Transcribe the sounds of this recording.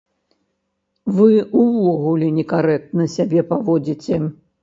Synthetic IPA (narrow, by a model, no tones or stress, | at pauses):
vɨuvɔɣulʲɛnʲɛkaɾɛk̚t̪nɐsʲabʲɛpavɔd͡zʲit͡sʲɛ